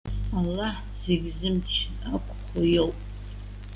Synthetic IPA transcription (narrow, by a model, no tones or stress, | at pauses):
alːaħ | zeɡʲzɨmt͡ʃʰ | akʷʰʼχʷajowpʼ